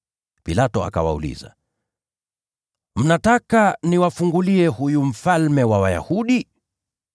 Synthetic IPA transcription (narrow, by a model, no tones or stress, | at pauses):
pilatɔa̰ka̰wa̰ṵlḭza̰ | m̩natakaniwafuŋɡuliɛhujum̩falmɛwawaja̰huɗi